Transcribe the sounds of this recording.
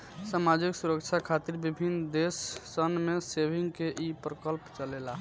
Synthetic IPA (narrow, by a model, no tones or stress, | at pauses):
samad͡ʒiksuɾəkt͡ʃʰakʰat̪iɾbibʱind̪esːənmesebʱiŋɡkeʔipɾəkəlpt͡ʃəlela